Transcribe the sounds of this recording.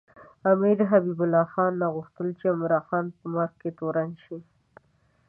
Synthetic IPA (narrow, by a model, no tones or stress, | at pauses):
amiɾɦabibʊlːɑxɑnːaɣʊxt̪əlt͡ʃeamɾɑxɑnpəmaɾxket̪oɾanʃi